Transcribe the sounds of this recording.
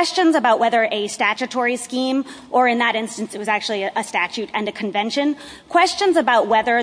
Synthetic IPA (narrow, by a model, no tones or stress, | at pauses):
st͡ʃɨ̃nzəbaʊʔ̚wɛðə˞ʔɨstæt͡ʃɨtʰɔɹiskĩmʔə˞ɨ̃nðɨɾɪ̃nstɨ̃n̩sɨt̚wʌzæk̚t͡ʃul̩ˠiɨʔəstæt͡ʃʉɾɨ̃nɨkʰɨ̃ɱvɛ̃nʃɨ̃n | kʰw̥ɛst͡ʃɨ̃nzɨbaʊt̚wɛðə˞